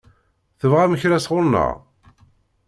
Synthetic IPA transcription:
θəvʁæməçɾæsʁʊɾnə̰ʁ

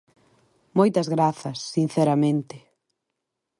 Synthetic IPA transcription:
mojt̪ɐzɣɾaθɐsːin̟θɛɾɐmẽnt̪ɪ

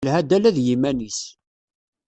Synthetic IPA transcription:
lhæd̪ælæðjimænis

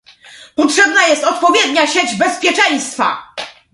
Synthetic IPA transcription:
pɔtʂɛbnajɛst̪ɔt̪̚pɔvʲjed̪ɲaɕed͡ʑbɛspʲjɛt͡ʂɛj̃st̪fa̰

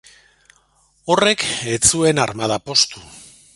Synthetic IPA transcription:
o̞re̞ket͡sue̞naɾmað̞apo̞st̪u

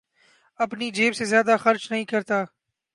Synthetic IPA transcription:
ɐpniːd͡ʒeːbsezjaːd̪aːxəɾt͡ʃnəɦĩːkəɾt̪aː

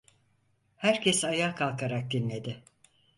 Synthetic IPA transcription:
hæɾcʰɛsajaːkʰalˠkʰaɾak̚d̪inlʲe̞d̪ɪ

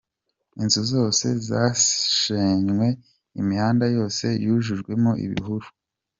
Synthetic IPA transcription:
inzuzo̞ːse̞zaːʃeɲŋwe̞ | imihaːndajo̞ːse̞̰juʒuʒɡwe̞moḭβḭɦuɾu

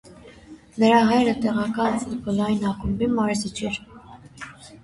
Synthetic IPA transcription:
nəɾɑɦɑjɾət̪ɛʁɑkɑnt͡s̪ipɔlɑjinɑkumbimɑɾzit͡ʃʰɛɾ

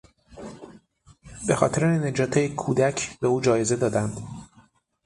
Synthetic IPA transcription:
be̞xɒ̰ːt̪ʰe̞ɾened͡ʒɒːt̪ʰejekʰuːd̪æcʰbeuːd͡ʒɒːjeze̞d̪ɒːd̪ænd̪̥

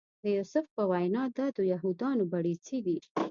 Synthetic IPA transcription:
d̪əjusʊfpəwajnɑd̪ɑd̪əjaɦud̪ɑnobaɽit͡siɡ̪i

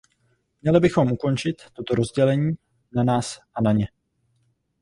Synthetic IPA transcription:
mɲɛlɪbɪxo̞mʔuko̞nt͡ʃɪt̪ːo̞t̪o̞ɾo̞zɟɛlɛɲiː | nanaːsʔanaɲɛ

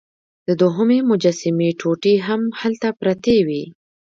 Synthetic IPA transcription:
d̪̥əd̪oɦəmemʊd͡ʒasɪmeʈʰoʈiɦamhalt̪apɾat̪ewi

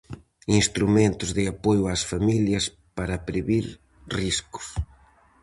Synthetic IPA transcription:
inst̪ɾument̪ʊzðɪapojʊasfamiljɐs | paɾɐpɾeβiɾ | riskʊ̥s

